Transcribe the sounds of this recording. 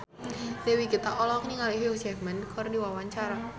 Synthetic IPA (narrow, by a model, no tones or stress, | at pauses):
dɛwikit̪aʔɔlɔkɲiŋaliɦosɛmɛnkʰɔrdiwawaɲt͡ʃaɾa